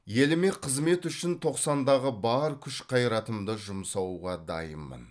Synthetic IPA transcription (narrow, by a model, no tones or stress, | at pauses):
je̞lɪme̞qʰəzme̞t̪ʏʃɪnt̪ʰo̞qsɑnd̪ɑʁəbɑɾkʲʰʏʃqʰɑjɾɑt̪əmd̪əʒʊmsɑwʁɑd̪ɑ̰jəmːə̰n